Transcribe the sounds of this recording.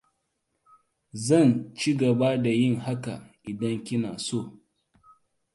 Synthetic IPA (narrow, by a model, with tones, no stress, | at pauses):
zɐ˦˨nt͡ʃi˦ɡɐ˨ba˦da˨jɪ˦˨ŋha˦ka̰˨ʔɪ˨dɐ˦ŋkʲɪ˦naː˨soː˦˨